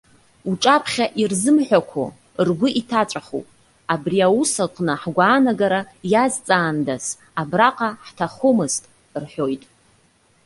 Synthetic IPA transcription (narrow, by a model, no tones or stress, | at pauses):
uʈ͡ʂʼapʰχʲaʔirzɨmħʷᶣakʷʰo̰ | rɡʷʊʔitʰat͡ʃʷʼaχo̰pʼ | abriausaqʼnɨħɡʷaːnaɡaɾa | jazt͡sʼaːndas | abraqʼaħtʰaχomɨztʼ | rħojtʼ